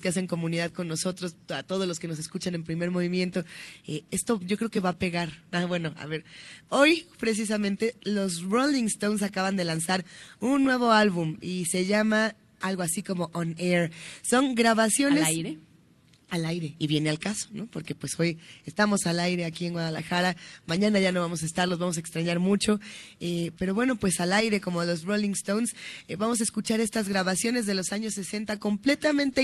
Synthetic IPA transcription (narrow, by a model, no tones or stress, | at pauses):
skeas̬e̞ŋko̞mũniðaðko̞nːo̞so̞t̪ɾo̞sat̪o̞ð̞ozlo̞ske̞no̞s̬eskut͡ʃane̞mpɾime̞ɾmo̞β̞imje̞nt̪o̞ee̞st̪o̞ɟ͡ʝo̞kɾeo̞ke̞βape̞ɣaɾaβwe̞no̞ʔa̰βe̞ɾojpɾe̞s̬is̬amẽnt̪e̞lo̞zroliŋst̪owns̬akaβand̪e̞lansaɾunːwe̞β̞o̞alβumise̞ʝama | alɣo̞asiko̞mo̞ʔoneɾso̞ŋɡɾaβasjo̞nesajɾe | alajɾe̞iβje̞ne̞alkaso̞̥no̞po̞ɾke̞pwe̞so̞jest̪amo̞salajɾe̞akie̞ŋɡwað̞alaxaɾamãɲãnaʝanoβamo̞s̬aest̪aɾlo̞zβamo̞s̬aekst̪ɾaɲaɾmut͡ʃo̞epe̞ɾo̞βweno̞pwe̞salajɾe̞ko̞molo̞zβolĩŋst̪ownsβamo̞s̬aeskut͡ʃaɾe̞st̪azɣɾaβasjo̞ne̞zðe̞lo̞saɲosːe̞se̞nt̪ako̞mple̞t̪amẽ̞nt̪e̞